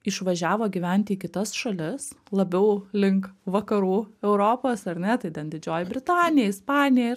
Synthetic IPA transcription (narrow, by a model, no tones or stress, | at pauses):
ɪʃʋɐʒʲæːʋoːɡʲɪʋʲɛnʲt̪ʲɪiːkʲɪt̪ɐsʃɐlʲɪslˠɐbʲɛʊlʲɪŋkʋɐkɐɾuːɛʊɾoːpoːsɐɾʲnʲɛt̪ɐɪt̪ʲɛnd̪ʲɪd͡ʒʲoːjɪbʲɾʲɪt̪ɑːnʲɪjɛɪspɑːnʲɪjɛ